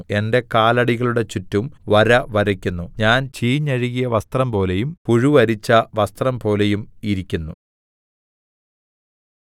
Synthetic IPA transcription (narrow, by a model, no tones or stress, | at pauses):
e̞nde̞kaːlɐɽiɣɐɭuɽe̞t͡ɕutːumʋɐɾɐʋɐɾɐkʲːunːuɲaːnt͡ɕiːɲːɐɻiɣijɐʋɐst̪rɐmpo̞ːle̞jumpuɻuʋɐɾit͡ɕːɐʋɐst̪rɐmpo̞ːle̞jumiɾikʲːunːu